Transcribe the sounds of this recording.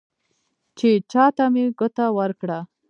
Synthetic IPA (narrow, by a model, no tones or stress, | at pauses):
t͡ʃet͡ʃɑt̪ameɡət̪awəɾkɽa